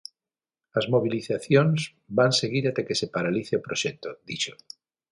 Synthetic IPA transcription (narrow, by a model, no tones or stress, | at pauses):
azmoβ̞iliθaθjonz | banseɣiɾat̪ekesepaɾaliθeopɾoʃɛk̚t̪od̪it͡ʃo